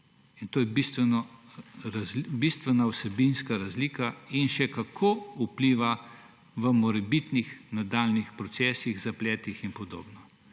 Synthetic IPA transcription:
int̪oːjɛbist̪ʋɛnɔɾazbist̪ʋɛnausɛbinskaɾazliːkainʃɛkakʰoupliːʋa | ʋəmɔɾɛbit̪nixnad̪aːlnixpɾɔt̪sɛːsiɣzaplɛːt̪ixinpɔd̪o̰ːbnɔ

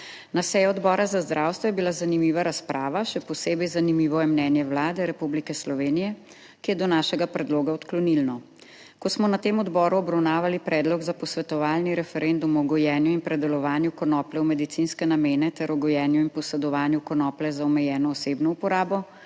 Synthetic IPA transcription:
nasɛjɔɔd̪bɔːɾazazd̪ɾʔawst̪ʋɔjɛbilazanimiːʋaɾaspɾʔaːʋaʃɛpɔseːbɛjzanimiːʋɔjɛmnɛːnjɛwlaːd̪ɛɾɛpublikɛslɔʋeːnijɛ | kijɛd̪ɔnaːʃɛɡapɾɛd̪loːɡaɔt̪klɔnilnɔ | kɔsmɔnat̪eːmɔd̪bɔːɾuɔbɾawnaːʋalipɾɛːd̪lɔɡzapɔsʋɛt̪ɔʋaːlniɾɛfɛɾend̪umɔɡɔjɛːnjuinpɾɛd̪ɛlɔʋaːnjukɔnɔːplɛwmɛd̪it̪sinskɛnameːnɛt̪ɛɾɔɡɔjɛːnjuinpɔsɛd̪ɔʋaːnjukɔnɔːplɛzaɔmɛjɛːnɔːseːbnɔupɔɾaːbɔ

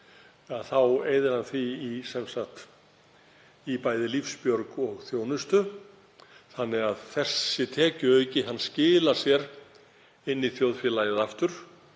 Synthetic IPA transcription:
aðθaweːjðɪɾhanθviːsɛmsaht̪ | ipaːjðɪlifspjœɾkɔɣθjoːwnʏst̪ʏ | θanːɪɣaðθɛsːɪt̪ʰɛːcʏœɥcɪɦanːscɪːlḁsjɛɾ | ɪnːiθjoːwðfjɪlajɪðaft̪ʏɾ̥

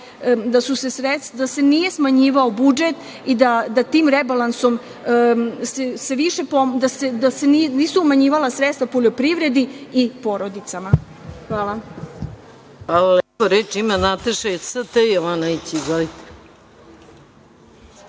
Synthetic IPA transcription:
d̪asusesɾet̪sd̪ase̞nije̞smaɲiːʋaobud͡ʒet̪ | id̪ad̪at̪iːmɾebalˠanso̞m | sese̞ʋiʃepod̪ased̪aseninisuumaɲiːʋalasɾet̪st̪vapoʎo̞pɾiʋɾe̞d̪iipo̞ɾo̞d̪it̪sama | xʋaːla | xʋalalepoɾet͡ʃimanat̪eʃeosət̪ejoʋanait͡ɕiɡalit̪e̥

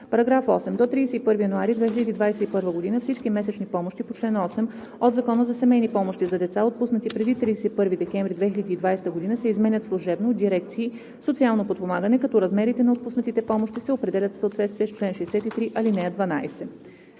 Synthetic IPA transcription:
pɐɾɐɡɾafɔsɛmd̪ot̪ɾiːsɛipɤɾvijənuaɾid̪vɛxʲilʲəd̪iːd̪vajsɛipɤɾvəɡod̪inəfsit͡ʃk̟imɛsɛt͡ʃnipɔmoʃt̪ipot͡ʃlɛnɔsɛm | od̪zɐkɔnəzɐsɛmɛjnipɔmoʃt̪izɐd̪ɛt̪saot̪̚pusnət̪ipɾɛd̪it̪ɾiːsɛipɤɾvid̪ɛkʲɛɱvɾʲid̪vɛxilʲəd̪iːd̪vajsɛt̪əɡod̪inəsɛizmɛnʲət̪slˠuʒɛbnoːd̪d̪iɾɛkt̪siː | sot̪sialˠnopot̪̚pomaɡənɛkɐt̪ɔɾɐzmɛɾit̪ɛnɐot̪pusnət̪it̪ɛpɔmoʃt̪isɛopɾɛd̪ɛlʲət̪fsəot̪vɛt̪st̪viɛst͡ʃlɛnʃɛɛsɛt̪it̪ɾiʔɐlinɛd̪vɐnajsɛ

